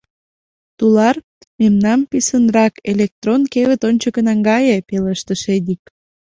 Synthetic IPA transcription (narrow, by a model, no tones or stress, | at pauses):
t̪ulɑr | memnɑmpisənrɑkelek̚t̪ronkeβə̆t̪onʲt͡ɕəkənɑŋɡɑjepeləʃt̪əʃed̪ik